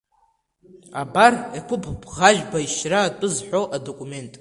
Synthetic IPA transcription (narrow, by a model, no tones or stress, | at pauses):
abarekʷʰʊpʰbʁaʒᶣbaiʃraːtʷʼʊzħʷᶣoʔado̞kʷʼume̞ntʼ